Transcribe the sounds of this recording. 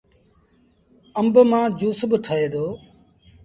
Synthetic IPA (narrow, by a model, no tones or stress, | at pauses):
əmbmãːd͡ʒuːsbəʈʰəɦeːd̪oː